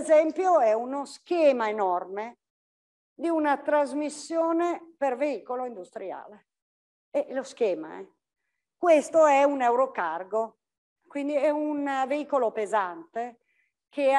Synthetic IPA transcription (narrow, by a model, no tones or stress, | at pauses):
zɛmpjoɛunosk̟ɛːmaenɔrme | d̪iunat̪ɾazmisːjɔːneperveiːkoloind̪ust̪ɾija̰ːle | eʔloskɛːma̰ɛ̰ | kwest̪oɛunɛwɾokarɡo | kwind̪iɛunveiːkolopezant̪e | kʰe